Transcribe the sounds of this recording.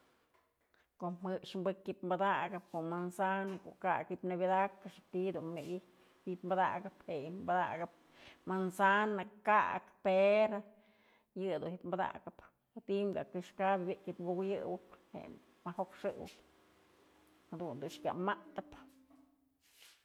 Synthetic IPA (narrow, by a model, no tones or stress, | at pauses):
koʔmɨʔʂmbɨkjipmbad̪aʔɡɨp̚koʔmansanako̰ʔka̰kipnabid̪akaʂt̪id̪unmeɡi | ip̪mbad̪a̰ɡɨphejmbad̪a̰ɡɨp̚ | mansanakakpeɾo | jɨd̪unjipmbad̪a̰ɡɨp | t̪imɡa̰kɨʂkabbiʔkipɡukjɨwɨphḛ | mahokʂɨwɨ̰p | had̪und̪unʂkʲa̰mat̪ɨp